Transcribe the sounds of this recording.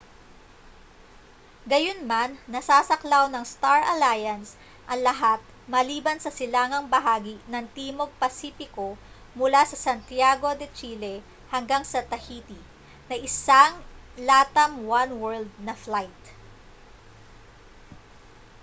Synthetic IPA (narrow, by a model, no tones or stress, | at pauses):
ɡɐjonmanːɐsaːsɐklawnɐŋst̪aɹɐlajɐns | ʔɐŋlɐɦat̪̚ | mɐliːbɐnsɐsɪlaːŋɐŋbɐɦaːɡinɐŋt̪iːmo̞ɡ̚pɐsiːfɪko̞ | mʊlasɐsɐnt̪jaɡo̞d̪ɛt͡ʃiːlɛ | hɐŋɡaŋsɐt̪ɐhit̪i | nɐʔɪsaŋlaːt̪ɐmwanwɛɹld̪̚nɐflajt̪̚